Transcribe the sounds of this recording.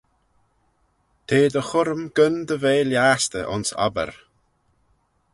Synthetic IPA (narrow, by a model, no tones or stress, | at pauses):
t̪ʰeːd̪əxʊɾəmɡ̥ənd̪əveːljaːst̪ə̰ʔʊ̰nsa̰bə̰ɾ